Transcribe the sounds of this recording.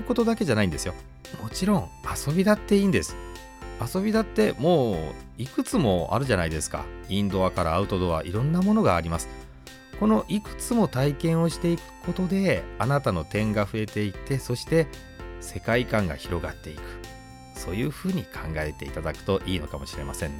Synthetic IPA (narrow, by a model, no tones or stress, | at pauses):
ko̞t̪o̞d̪ake̞ʑanaĩnd̪e̞sɨjo̞ | mo̞t͡ɕiɾõ̞ŋaso̞bʲid̪at̪ːe̞iːnd̪e̞sɨ̥ | aso̞bʲid̪at̪ːe̞mo̞ː | ikɯ̟t͡sɨmo̞a̰ɾɯ̟ʑanaid̪e̞sɨ̥ka̰ĩnd̪o̞βakaɾa̰ːɯ̟t̪o̞d̪oβa̰ʔiɾõ̞nːamo̞no̞ɡaːɾʲimasɨ̥ | ko̞no̞ʔikɯ̟̥t͡sɨmo̞t̪aikẽ̞ɰ̃o̞ɕi̥t̪e̞ikɯ̟̥ko̞t̪o̞d̪e̞anat̪ano̞t̪ẽ̞ŋɡaɸɯ̟e̞t̪e̞it̪e̞so̞ɕi̥t̪e̞ | se̞kaikãŋɡa̰çiɾo̞ɡat̪ːe̞ikɯ̟̥ | so̞ːjɯːɸɯ̟ːɲ̟ikʰãŋɡae̞t̪e̞̰it̪ad̪akɯ̟̥t̪o̞ʔiːno̞kamo̞ɕiɾe̞̰masẽ̞nː